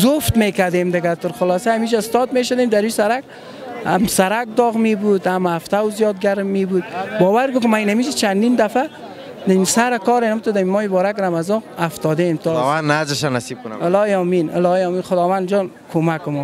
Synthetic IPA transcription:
zʊft̪mekad̪emd̪ɪɡat̪ʊɾxʊlɔsaːmid͡ʒaɪst̪ɔd̪meʃʊd̪emd̪aɾusaɾak̚ | a̰msaɾak̚d̪ɔɣmebud̪amaft̪awzijɔd̪̚ɡaɾmːebud̪̚bɔwaɾɡʊkɪmainamid͡ʒat͡ʃʰand̪ind̪afa | naisaɾakɔɾenamt̪ʊd̪amimɔɪbɔɾakɾamazɔaft̪ɔd̪amt̪ɔanːazɪʃanasib̚kɪlɔjɔminɪ̰lɔjɔminxʊd̪ɔwand͡ʒɔn | kʰomakʊmɔ

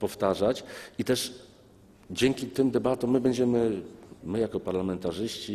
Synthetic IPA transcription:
pɔft̪aʐat͡ɕit̪ɛʂ | d͡ʑɛŋkʲit̪ɘmd̪ɛbat̪ɔ̃mmːɘbɛɲd͡ʑɛmɘmɘjakɔpaɾlamɛnt̪aʐɘɕt͡ɕi

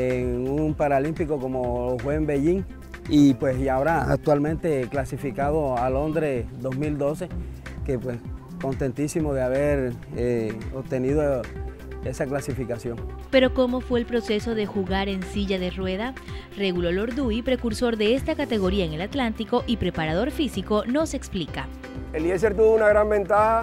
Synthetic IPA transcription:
eŋumpaɾalimpikoko̞moxwembeʝiŋ | ipwesjaoɾaa̰k̚t̪walmẽnt̪e̞klasifikaðo̞alo̞nd̪ɾesd̪o̞zmild̪o̞se̞kepwes | ko̞nt̪e̞nt̪isimoðeaβeɾ | eop̚t̪e̞niðo | e̞saklasifikasjo̞ŋpe̞ɾo̞ko̞mo̞fwe̞ːlpɾo̞se̞so̞ðe̞xuɣaɾe̞nsiʝaðe̞rwe̞ða | reɣulolo̞ɾd̪ujpɾe̞kuɾso̞ɾðe̞est̪akat̪e̞ɣo̞ɾiaeŋe̞lat̪lant̪iko̞ʔipɾe̞paɾað̞o̞ɾfisiko̞no̞se̞ksplika | eljes̬eɾt̪̬uβounaɣɾambẽ̞nt̪aha

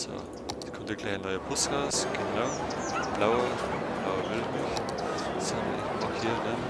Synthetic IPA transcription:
so̰ | ɪçkʰɔntəɡ̥laɪçanːɔʏɐpʰʊsɡ̥aʊsɡ̥ənaʊb̥laʊɐb̥laʊɐvɪltmɪçsɔndəɪçaxhiːɐdɛn

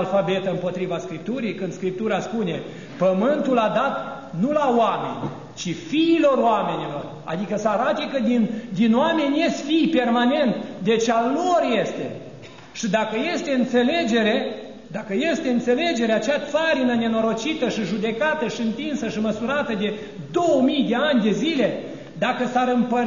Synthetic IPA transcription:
lfabe̞t̪əɨmpo̞t̪ɾivaskɾip̚t̪uɾijkɨnd̪skɾip̚t̪uɾaspune̞ | pəmɨnt̪ulad̪at̪ | nulaoame̞̰nʲ | t͡ʃifiːlo̞roame̞nʲilo̞̰r | a̰d̪ikəsəaɾat̪e̞kəd̪ind̪inoame̞nʲjest̪ʲfijpe̞rmane̞nt̪d̪e̞t͡ʃalorje̞st̪e̞̰ | ʃid̪akəje̞st̪e̞ɨnt̪se̞le̞d͡ʒe̞ɾe̞ | d̪akəje̞st̪e̞ɨnt̪se̞le̞d͡ʒe̞ɾeat͡ʃeat̪saɾinəne̞no̞ɾo̞t͡ʃit̪əʃiʒud̪e̞kat̪əʃiɨnt̪insəʃiməsuɾat̪əd̪e̞ | d̪o̞wəmijd̪e̞anʲd̪e̞zile̞ | d̪akəsaɾɨmpə

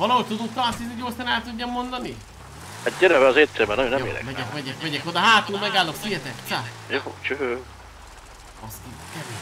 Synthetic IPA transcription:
vɒlɒɦoc̚t̪ud̪uk̪ːɒsit̪oɟosanɛlt̪uɟːɒmːo̞nd̪ɒni | aɟɛɾɛvɛɒzeːt̪sɛbɛnɔjonːɛjmḛːɾɛ̰mɛkɛkmɛɟɛkmɛɟɛkod̪ɒɦaːt̪uːlmɛɡaːlːoksijɛt̪ɛkt̪sa | jot͡ʃøø | ɒsikɛɾ

